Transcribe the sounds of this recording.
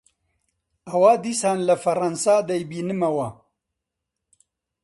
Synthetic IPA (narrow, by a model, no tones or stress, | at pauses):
ɐwaːd̪iːsaːnlɐfɐɾɐnsaːd̪ɐjbiːnɨmɐwɐ